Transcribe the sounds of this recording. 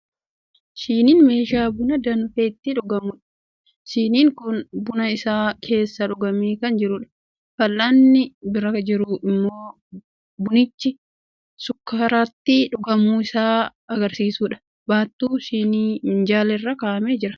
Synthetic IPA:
ʃiːniːnme̞ːʃaːbʊnɐd̪ɐnʊfeːt̪ːɪᶑʊɡɐmʊᶑɐ̥ | ʃiːniːŋkʊnbʊnɐɪsaːkʰe̞ːsːɐᶑʊɡɐmiːkɐnd͡ʒɪɾʊᶑɐ̥ | fɐlːanːɪbɪɾɐkɐd͡ʒɪɾʊʔɪmːo̞ː | bʊnɪt͡ʃːɪ | sʊkːaːɾaːt̪ːɪᶑʊɡɐmuːɪsaː | ɐɡɐɾsiːsuːᶑɐ̥ | baːt̪ːuːsiːniːɪnd͡ʒaːlɛrːɐkaːʔɐmeːd͡ʒɪɾɐ̥

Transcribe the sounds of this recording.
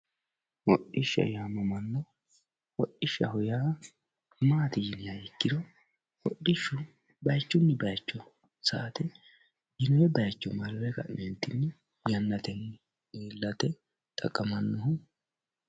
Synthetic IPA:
wɔɗɪʃːɐ̰jaːmɔmɐnːɔ | wɔʔːɪʃːɐhʊjaː | maːt̪ɪjɪnɪjaɪkːɪd̪ɔ | wɔɗːɪʃːʊ | bɐjt͡ʃːʊnːɛbɐjt͡ʃːɔ | saːt̪ɛ | jɪnɔjɛbɐjt͡ʃːɔmɐlwɛkɐ̰ʔment̪ːɪnːɛ | jɐnːɐt̪ɛn | eːlːɐt̪ɛ | t̪ʼɐkʼːɐmɐnːɔɦʊ

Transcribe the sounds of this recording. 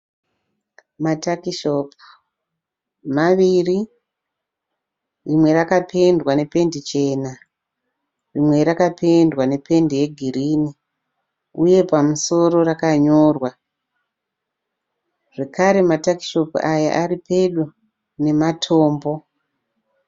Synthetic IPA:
matakiʃop | maʋiri | rimwe̞ɾakapʰe̞ndwane̞pe̞ndit͡ʃe̞ːna | rimwe̞ɾakapʰe̞ndwane̞pe̞ndije̞ɡʱiriːni | uje̞pamuso̞ro̞rakaɲoːrwa | ʐ̥ekaɾe̞mataki̥ʃo̞puaja̰ʔaripeɗu | ne̞matʰo̞ːmbo̞

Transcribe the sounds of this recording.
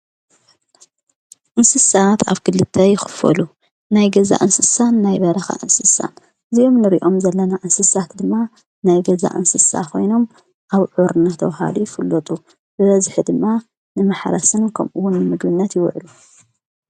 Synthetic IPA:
ʔɨnsɨsat̪ʰa̰βkʰɨlːɨt̪ʰːɐjɪxɨ̥fɐ̰lu | najɡɐza̰ʔɨnsɨsanːajβɐɾɐxa̰ʔɨnsɨsa̰n | ɨzijo̞mnɨɾḭʔo̞mzɐlːɐnaʔɨnsɨsat̪d̪ɨmːa | najɡɐza̰ʔɨ̰nsɨsa̰kʰo̞jno̞m | ʔaβʕuɾɨnat̪ʰɐwɦa̰lujɪfɨlːot̪ʼu | bɨβɐzɨħid̪ɨmːa | nɨmaħɾɐsɨnkʰɐmʔuwːʊnːɨmɨɡbɨnːɐt̪jɪw̰ʕlu

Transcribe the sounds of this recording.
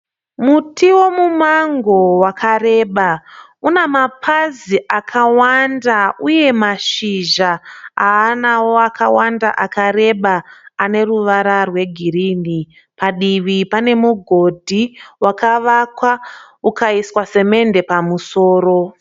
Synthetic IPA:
mutʰiwo̞mumaŋɡo̞wakʰare̞ːɓa | unamapʰaziʔakʰawandauje̞maʃiʒaaːnawo̞akʰawanda̰ʔakaɾe̞ɓaːne̞ruʋaɾarwe̞ɡʱiɾiːni | paɗiʋipane̞muɡʱo̞dʱiwakaʋakwa | ukaiswase̞me̞nde̞pamuso̞ːɾo̞

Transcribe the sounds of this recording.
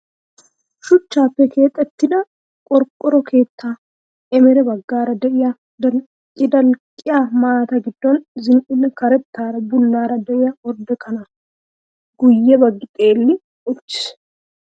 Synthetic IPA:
ʃʊt͡ʃːaːpːɛke̞ːt̪ʼːɛt̪ːɪd̪ɐ | kʼɔɾkʼːɔɾɔkʰe̞ːt̪ːaː | ɛmɛɾɛbɐɡːaːɾɐd̪ɛʔɪja | dɐ | ɪd̪ɐlkʼːɪjamaːt̪ɐɡɪd̪ːɔnzɪnʔɪnːɛkɐɾɛt̪ːaːɾɐbʊlːaːɾɐd̪ɛʔɪjɐɔɾd̪ɛkʰɐnɐ | ɡ̥ʊjːɛbɐɡːɪt̪ʼe̞ːlːɪ | ɔt͡ʃːɪ̥s

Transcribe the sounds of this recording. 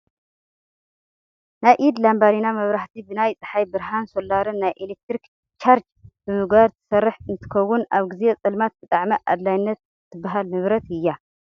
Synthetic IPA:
najʔid̪lambaɾinamɐβɾaht̪ʰibɨnajt͡sʼɨħajbɨɾɦansolːaɾɨnːajʔelek̚t̪ɾik | t͡ʃʰaɾd͡ʒ | b̥ɨmɨɡβaɾt̪ʰɨ̥sɐrːɨħɨnt̪ʰɨ̥kɐwːʊnaβɡɨzet͡sʼɐlmat̪̚bɨt̪ʼaʕmɐʔa̰d̪lajnːɐt̪ | t̪ʰːɨbːaɦalnɨβɾɐt̪ɨjːa

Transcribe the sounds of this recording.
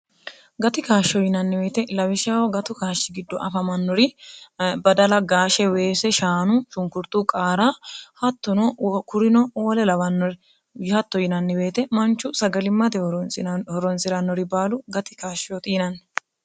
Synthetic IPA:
ɡɐt̪ɪkaːʃːɔjɪnɐnːɪbe̞ːt̪ɛlɐwɪʃaːwɔɡɐt̪ʊkaːʃːɪɡɪd̪ːɔʔɐfɐmɐnːɔɾɪ | bɐd̪ɐlɐɡaːʃɛwe̞ːsɛʃaːnʊʃʊŋkʊɾt̪uːkʼaːɾaːhɐt̪ːɔnɔkʊɾɪnɔoːlɛlɐwɐnːɔɾ | hɐt̪ːɔjɪnɐnːɪbe̞ːt̪ɛmɐnt͡ʃːʊsɐɡɐlɪmːɐt̪ɪhɔɾɔnsɪɾɐnːɔɾɪbaːlʊɡɐt̪ɪ̥kaːʃɔt̪iːnɐnː

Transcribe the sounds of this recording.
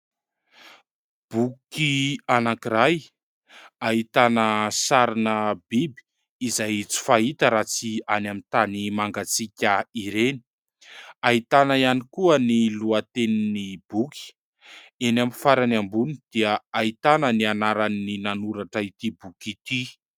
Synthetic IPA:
b̥ukianakiɾaj | ait̪anəsaɾinəbibi̥ː | zajt͡si̥fait̪əɾat͡sianamint̪animaŋɡat͡sikʲəiɾeni̥ | aɦit̪anaianikuəniluat̪eninibuki̥ | enamifaɾanambunid̪̥iəait̪anənianaɾanːinanuɾaʈ͡ʂait̪ibukit̪i

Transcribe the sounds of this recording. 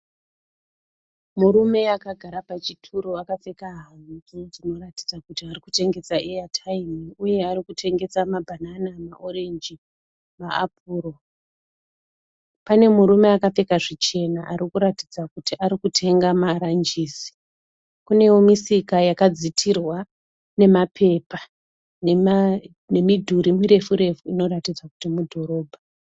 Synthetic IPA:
muɾume̞akaɡʱaɾapat͡ʃitʰuɾoakafe̞kaɦan̤ud͡zinod͡zino̞ɾatid͡zakutiarikute̞ŋɡe̞t͡saijatʰaimiuje̞aɾikutʰe̞ŋɡe̞t͡samabʱananamaʔo̞ɾe̞nd͡ʒi | maap̚uːɾo̞ | pane̞muɾume̞akafe̞kaʐit͡ʃe̞naʔaɾikuɾatid͡zakutiʔaɾikutʰe̞ŋɡamaɾand͡ʒiːsi̥ | kune̞jomisikajakad͡zitʰirwa | ne̞mapʰe̞pa | n | ne̞midʱuɾimiɾe̞fuɾe̞fuino̞ɾatid͡zwakutimudʱo̞ɾo̞ːbʱa

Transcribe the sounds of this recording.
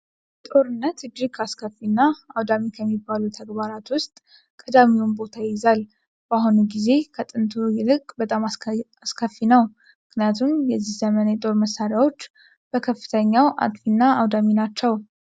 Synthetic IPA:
t̪ʼo̞ɾɨnːət̪ɨd͡ʒːiɡʰaskʰəfːinːaawd̪amikʰəmːibːalut̪ʰəɡbaɾat̪wʊst̪ʼ | kʼəd̪amiwunbo̞t̪ʰajzal | b̥aɦunuɡize̞kʰət̪ʼɨnt̪ʰujɪlɨkʼbət̪ʼamaaskʰəfːinəw | mɨknijat̪ʰunjɛzːihz̥əmənjɛt̪ʼo̞ɾməsːaɾjawo̞t͡ʃː | b̥əkʰəfːɨ̥t̪ʰəɲːawʔa̰t̪ʼfinːaawd̪aminat͡ʃːɛw

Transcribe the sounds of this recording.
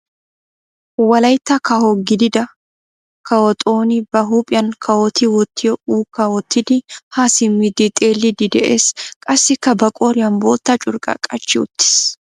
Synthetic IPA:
wɐlɐjt̪ːɐkɐhɔɡɪd̪ɪd̪ɐ | kɐwɔt̪ʼoːnɪbɐɦuːpʼɪjɐnkʰɐwɔt̪ɪwɔt̪ʰːɪjɔuːkːɐwɔt̪ːɪd̪ɪhaːsɪmːɪd̪ɪt̪ʼe̞ːlːɪd̪ɪd̪ɛʔeːskʼɐsːɪkːɐbɐkʼoːɾɪjɐnbo̞ːt̪ːɐt͡ʃʼʊɾkʼɐ̰kʼɐt͡ʃːɪʊ̰t̪ːɪ̥s

